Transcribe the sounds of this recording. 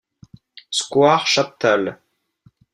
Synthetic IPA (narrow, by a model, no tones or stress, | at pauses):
skwaʁʃap̚t̪al